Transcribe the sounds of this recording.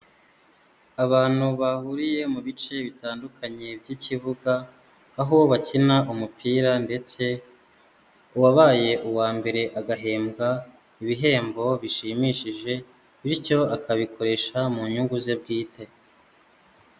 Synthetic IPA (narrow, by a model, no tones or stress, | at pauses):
aβaːn̥huβahuɾije̞muβit͡ʃe̞βitaːndukʰaɲe̞bɟiciβuɡaː | ɦoβacinaʔumupʰiːɾande̞t͡se̞ | uwaβaːje̞ʔuwaːmbe̞ɾe̞ʔaɡaɦe̞ːmɡa | iβiɦe̞ːmbo̞βiʃimiʃiʒe̞ | βiɾco̞akaβikʰo̞ɾe̞ʃamuɲuŋɡuze̞b̚ɡiːtʰe̞